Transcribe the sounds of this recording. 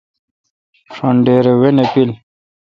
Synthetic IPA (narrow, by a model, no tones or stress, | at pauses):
ʂoɳɖeːɾewenepil